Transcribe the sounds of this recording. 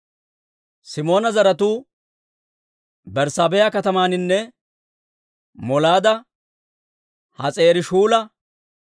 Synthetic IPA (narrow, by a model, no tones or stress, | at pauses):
sɪmo̞ːnɐzɐɾɐt̪uː | bɛɾsaːbɛjakɐt̪ɐmaːnɪnːɛ | mɔlaːd̪ɐ | hɐt͡sʼe̞ːɾɪʃuːlɐ